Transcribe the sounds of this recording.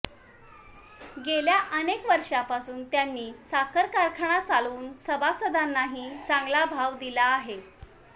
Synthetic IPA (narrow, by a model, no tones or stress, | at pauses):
ɡeljaʔənekʋəɾʂapasuːnt̪janːiːsakʰəɾkaɾkʰəɳ̃at͡saluːnsəbasəd̪anːaɦiːt͡saŋɡlabʱaʋd̪ilaːɦe